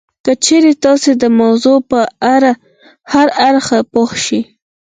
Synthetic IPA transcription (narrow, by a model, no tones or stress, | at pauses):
kət͡ʃeɾet̪ɑsed̪əmawzopəaɾa | haɾaɾxapoxʃi